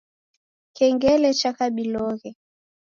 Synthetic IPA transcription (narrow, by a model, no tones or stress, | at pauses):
kɛŋɡɛlɛt͡ʃakaɓilɔɣɛ